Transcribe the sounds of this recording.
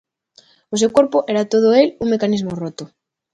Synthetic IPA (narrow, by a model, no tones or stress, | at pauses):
os̬ewkoɾpoʔeɾat̪oð̞oeluŋmekanizmorot̪o